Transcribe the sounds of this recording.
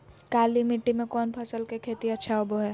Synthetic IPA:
kaːlimɪʈːimẽkɔːnpʰɐsəlkekʰeːt̪iɐtːʃʰaobʱoɦɛː

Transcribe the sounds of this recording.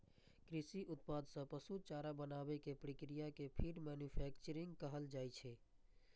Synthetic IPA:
kɾɪsiʔʊt̪̚pad̪sə̃pəsut͡ʃaɾabənabekepɾəkɾijakepʰiɖmɛnjupʰɛkt͡ʃəɾĩŋɡkəɦəld͡ʒaːjt͡ʃʰɛ

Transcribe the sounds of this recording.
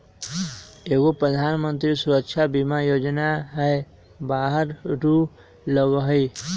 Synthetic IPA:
eɡopɾəd̪ʱanmənt̪ɾisuɾəkt͡ʃʰabimajod͡ʒnaɦɛe | baɦəɾʈu | ləɡɦəi

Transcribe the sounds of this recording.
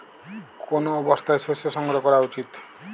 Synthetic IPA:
kʰonoːbɔst̪ajswesjɔsɔŋɡɾɔkɔɾaut͡ʃit̪

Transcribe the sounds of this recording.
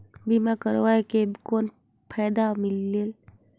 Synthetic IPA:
bimakəɾʋaekekoːn | pʰaːd̪amɪlːel

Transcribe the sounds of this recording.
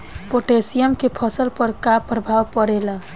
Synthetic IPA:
poʈesijəmkepʰəsəlpəɾkapːɾəbʱaʋpəɾelə

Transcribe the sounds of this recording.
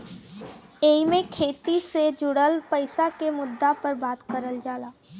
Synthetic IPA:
eːimẽkʰeːt̪ised͡ʒʊɽəlpəɪsakemʊd̪ːapəɾbaːt̪kəɾəld͡ʒaːlaː

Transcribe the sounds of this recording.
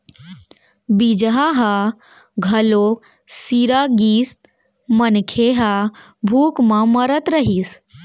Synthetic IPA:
bid͡ʒɦaɦa | ɡʱɐlok | siɾaɡiːst̪ | mənkʰeɦa | bʱuːkmãməɾət̪ɾəɦis

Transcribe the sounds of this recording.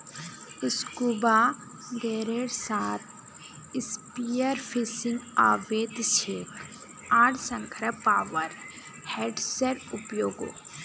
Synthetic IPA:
iskubaː | ɡeːɾeɽsaːt̪ʰ | ispijəɾpʰisiŋɡaːʋeːt̪ʃeːk | aːɽsɐŋkʰɐɾɐpaːʋɐɾ | heːɖseɾupjoːɡo̰ː

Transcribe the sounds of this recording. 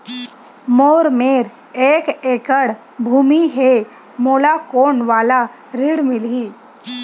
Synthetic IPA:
moːɾmeːɾ | eːkeːkəɽ | bʱuːmiɦe | moːlakoːnʋaːla | ɾɪɽmɪliː

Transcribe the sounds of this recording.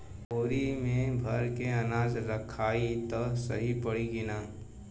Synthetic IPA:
oːɾimẽbʱɐɾkeɐnaːd͡ʒɾəkʰːaːit̪ɔsɐ̰ɦipəɽiɡɪnaː

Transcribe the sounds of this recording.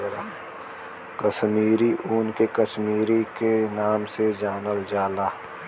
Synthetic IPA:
ɾa | kəʃmiːɾiʔuːnkekəʃmiːɾikenaːmsed͡ʒaːnəld͡ʒaːlaː

